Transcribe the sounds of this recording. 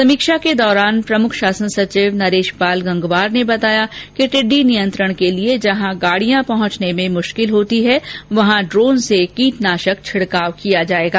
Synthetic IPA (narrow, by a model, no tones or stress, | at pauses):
sɐmiːkʃaked̪ɔːɾaːnpɾɐmʊkʰʃaːsənsɐt͡ʃɪʋnɐɾeːʃpaːlɡɐ̃ŋɡʋaːɾnebɐt̪aːjakiʈɪɖːinijə̃nt̪ɾəɽ̃kelied͡ʒɐɦãɡaːɽijãpɐɦɔ̃t͡ʃnemẽmʊʃkɪlɦoːt̪iɦɛʋɐɦãɖɾoːnsekiːʈ̪naːʃək̚t͡ʃʰɪɽkaːʋkijad͡ʒaːeːɡaː